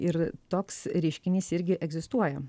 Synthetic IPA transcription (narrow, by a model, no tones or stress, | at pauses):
ɪɾt̪oːksɾʲɛɪʃʲkʲɪnʲiːsɪɾʲɡʲɪʔɛɡzʲɪst̪uɔjɛ